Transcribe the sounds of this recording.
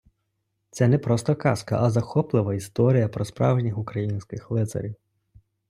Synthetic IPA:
t̪sɛnɛpɾɔst̪ɔkɑskɐ̰ʔɐzɐxɔplˠɪʋɐist̪ɔɾʲijɐpɾɔspɾɑ̰wʒnʲixʊkɾɐjinʲsʲkɪxlˠɪt̪sɐ̰ɾʲiw

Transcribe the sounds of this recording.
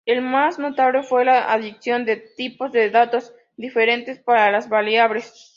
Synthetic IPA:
elmasno̞t̪aβle̞fwe̞laʔaðiksjo̞nd̪e̞t̪ipo̞zðeðat̪o̞z | d̪ifeɾe̞nt̪e̞spaɾalazβaljaβles

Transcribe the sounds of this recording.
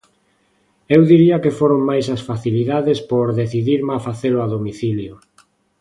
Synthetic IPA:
ewðiɾiakefoɾoŋmajsɐsfaθiliðaðespoɾðeθiðiɾmafaθelʊaðomiθiljo

